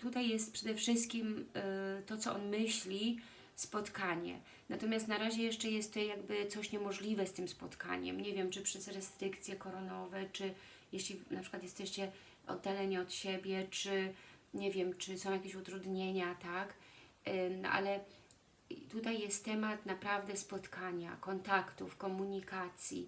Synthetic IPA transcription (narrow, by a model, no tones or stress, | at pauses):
t̪ut̪ajːɛst̪̚pʂɛd̪ɛfʂɘst̪̚kʲim | t̪ɔt̪sɔʔɔnmɘɕlʲi | spɔt̪kaɲɛ̰ | nat̪ɔmʲjast̪naɾaʑɛjɛʂt͡ʂɛjɛst̪ːɔjaɡbɘt̪sɔɕɲɛmɔʐlʲivɛst̪ɘmspɔt̪ka̰ɲɛ̰mɲɛvʲjɛmt͡ʂɘpʂɛzɾɛst̪ɾɘkt̪sʲjɛkɔɾɔnɔvɛt͡ʂɘ | jeɕlʲinapʂɘkwat̪jɛst̪ɛɕt͡ɕɛ | ʔɔ̰d̪ːalɛɲiɔt̪ɕebʲjɛt͡ʂɘɲɛvʲjɛmt͡ʂɘsɔ̃w̃jakʲeɕut̪ɾud̪ɲeɲat̪ak | ʔa̰lɛ | t̪ut̪ajːɛst̪ːɛmat̪napɾavd̪ɛspɔt̪kʰaɲa̰kɔnt̪akt̪ufkɔmuɲikat̪sʲjḭ